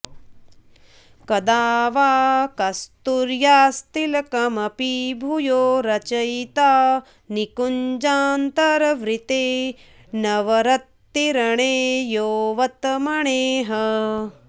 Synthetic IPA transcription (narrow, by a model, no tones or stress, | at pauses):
kɐd̪aːʋaːkɐst̪uɾjaːst̪ilɐkɐmɐpibʱujoːɾɐt͡ʃɐjt̪aː | nikuɲd͡ʒaːnt̪ɐɾɐʋɾit̪eː | nɐʋɐɾɐt̪ːiɾɐɳeːjoːʋɐt̪mɐɳeːɦɐ